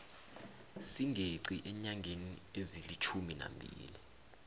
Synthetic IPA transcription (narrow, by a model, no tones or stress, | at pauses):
siŋʱeǀiʔɛɲaŋʱeniezilit͡ʃʰumina̰mbʱḭːli